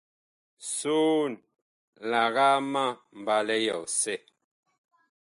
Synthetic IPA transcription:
su˦n | la˨ɣa˦ma˦˨m̩˨ba˨lɛ˦jɔ˨sɛ˦

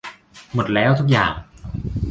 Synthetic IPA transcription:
mo˨˩t̪̚lɛː˦˥wt̪ʰu˦˥k̚jaː˨˩ŋ

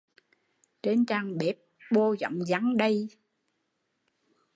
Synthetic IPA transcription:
t͡ɕe˧nt͡ɕaː˧ŋɓɛ˨˦˥p̚ɓo˧zɔ̰˧˨ŋ͡mza˨˦ŋɗə˧j

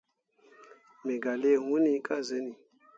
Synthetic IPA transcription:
me˨ɡa˨le˦˨hu˦ni˦ka˦ze˦ni˨

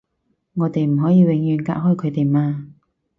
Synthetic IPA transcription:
ŋɔː˨˧t̪e˨jm̩˨˩ɦɔː˨˥jiː˨˧wɪ˨˧˥ŋjyː˨˧nka̰ː˧˥ʔ̚hɔː˥˩jkʰɵ˨˧t̪e˨jmaː˧

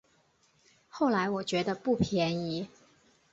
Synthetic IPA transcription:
xo˥˩ʊla˧˥ɪwɔ˨˩t͡ɕɥɛ˧˥d̪ə˧pu˥˩pʰjɛ˧˥ni˧˥

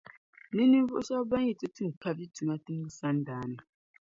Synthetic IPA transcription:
ne˦ni˦ɱ˦vu˦o˦ʃa˦ba˦ɲi˦˨tʼu˦tʰi˦˨kʰa˨βi˦tʰu˨na˦ti˦ŋ˦i˦sa˦ndaː˨˦na˨

